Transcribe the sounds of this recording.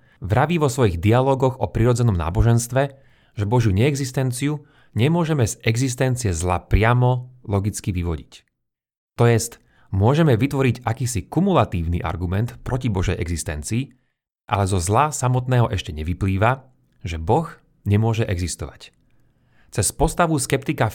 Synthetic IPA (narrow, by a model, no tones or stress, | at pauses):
ʋɾaʋiʋɔsʋɔjiɣd̪ialɔːɡɔɣɔpɾiɾɔd͡zɛnɔmna̰ːbɔʒɛnst̪ʋɛ | ʒ̥ɛbɔʒjuɲɛːɡzist̪ɛnt͡siu | ɲɛmʊɔʒɛmɛzɛɡzist̪ɛnt͡siɪɛzlapɾɪamɔlɔɡit͡skiʋiʋɔɟic | t̪ɔjɛst̪ | mʊɔʒɛmɛʋit̪ʋɔɾicakiːsikumulat̪iːʊnḭʔa̰ɾɡumɛnt̪pɾɔcibɔʒɛ̰jʔɛ̰ɡzist̪ɛ̰nt͡siː | ʔa̰lɛzɔzlasamɔt̪nɛːɦɔʔɛʃcɛɲɛʋipliːʋa | ʒɛbɔx | ɲɛmʊɔʒɛʔɛɡzist̪ɔʋa̰c | t͡sɛspɔst̪aʋuskɛpt̪ika